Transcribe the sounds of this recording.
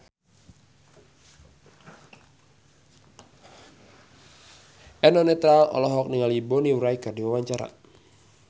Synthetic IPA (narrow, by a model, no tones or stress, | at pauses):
ʔɛnɔnɛt̪ɾalɔ̰lɔɦɔk̚niŋalibɔniuɾaikardiwawaɲt͡ʃaɾa̰